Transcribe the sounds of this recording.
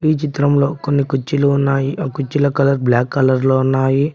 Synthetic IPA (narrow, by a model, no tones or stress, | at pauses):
iːt͡ʃit̪ɾɐmlo̞ːkonːikut͡ʃːiluunːaːjikut͡ʃːilɐkɐlɐɾblaːkːɐlɐɾloːunːaːji